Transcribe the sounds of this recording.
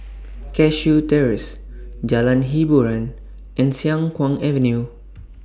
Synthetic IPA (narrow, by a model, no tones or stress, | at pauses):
kɛʃutɛɹis | d͡ʒalãnɦibuɹãn | ʔɛ̃nsiãŋkwãŋɛvə̃nju